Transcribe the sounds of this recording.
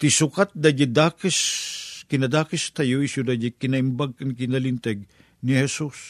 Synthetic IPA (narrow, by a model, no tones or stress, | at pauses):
t̪isukɐt̪̚d̪ɐd͡ʒid̪aːkiskinɐd̪aːkist̪ʰɐjoisjud̪ɐd͡ʒikinɐimbɐɡ̚kɐnkinɐlint̪eɡ | niɦesus